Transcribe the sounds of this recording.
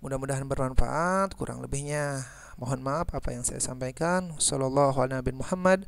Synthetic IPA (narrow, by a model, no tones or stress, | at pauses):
mudahmudaɦanbərmanfa̰ʔat̪̚kuɾʔa̰ŋləbɪhɲa | moɦɔnmaːpapa̰jaŋsa̰ja̰sampajkansɔlɔlːɑɦualnabimuhamːad̚